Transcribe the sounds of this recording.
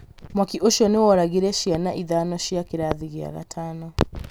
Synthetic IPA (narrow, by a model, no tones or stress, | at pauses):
mwakiʔɔʃɔniwaɾaɡiɾɛʃianaʔiðanɔʃiakiɾaðiɣia̰ɣa̰tʰanɔ